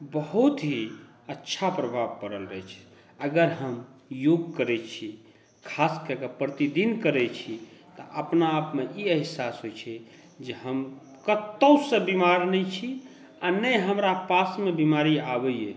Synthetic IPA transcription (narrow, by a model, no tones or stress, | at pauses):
bəɦut̪ɦi | ətːʃʰapɾəbʱabpəɾəlɾət͡ʃʰ | əɡəɾɦəmjoɡkəɾɛt͡ʃʰi | kʰaskəɾkepɾət̪id̪inkəɾɛt͡ʃʰit̪əʔəpnaːpmeʔiəɦsasɦojt͡ʃʰɛ | d͡ʒeɦəm | kət̪ːəwsə̃bimaɾnɛt͡ʃʰi | anəjɦəmɾapasmebimaɾiabəjje